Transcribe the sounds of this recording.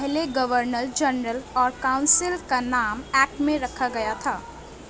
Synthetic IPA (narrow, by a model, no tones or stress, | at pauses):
ɦleɡəʋəɾnəɾd͡ʒənɾəlɔːɾkaʊ̃nsɪlkanaːmɛːk̚ʈmẽɾɐkʰaɡɐjat̪ʰaː